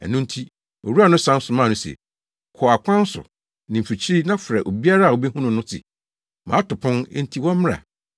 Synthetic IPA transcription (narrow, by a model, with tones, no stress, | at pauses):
æ̰˨nʊ̃˦n̩˦tʰi˦ | o̰˨ɾu˦a˨nʊ̃˦sã˦n̩˦sʊ˨mãː˦˨nʊ̃˦sɛ̰˨ | kʰɔ˨a˨kʷʰã˦n̩˦sʊ̰˨ | nɪ̃˨m̩˨fi˨t͡ɕʰɾi˦nã˦fɾɛ˨ʔo˨bi˦a˦ɾa˦˨wo˨bɛ˦hũ˦nʊ̃˨nʊ̃˦tʰɪ̰˨ | mã˨a˦tʊ˨pʰʊ̃˦n˦n̩˦tʰi˦wɔ̃˦mmɪ̃˦ɾa̰˨